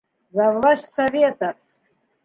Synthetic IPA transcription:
zavlasʲsavʲet̪ʰʼa

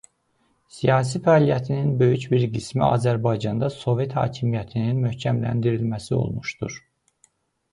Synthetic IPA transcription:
sijɑːs̬ifæɑːlijæt̪ʰininbø̞jycbiɾɡismiɑ̰ːzæɾbɑjd͡ʒɑnd̪ɑso̞ve̞t̪hɑ̰ːcʰimijæt̪ʰininmøhcʰæmlæ̰nd̪iɾilmæsio̞̰lˠmuʃd̪ṵɾ̥

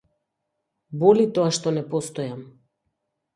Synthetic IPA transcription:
bɔlit̪ɔaʃt̪ɔnɛpɔst̪ɔjam

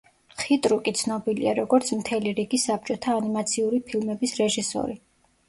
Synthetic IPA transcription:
χit̪ʼɾukʼit̪sʰnɔbilḭaɾɔɡɔɾt̪sʰmt̪ʰɛliɾiɡisap̚t͡ʃʼɔt̪ʰaːnimat̪sʰiuɾipʰilˠmɛbisɾɛʒisɔ̰ɾi

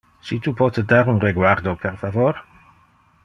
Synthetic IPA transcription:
sitʰupʰɔtʰədaɾunrɛɡwardɔpʰɛrfavɔɾ

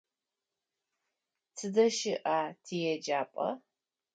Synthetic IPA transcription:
t͡sʰɨdɐʃɪʔaːtʰiːjɛd͡ʒaːpʼɐ̰

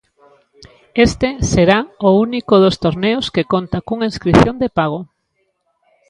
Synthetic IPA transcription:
est̪eseɾaounikoðost̪oɾneoskekont̪akuŋainskɾiθjond̪epaɣ̞o

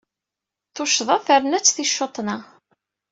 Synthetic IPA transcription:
θoʃðˤɑfəɾnæt͡sːθiʃːot̪ˤːnɑ

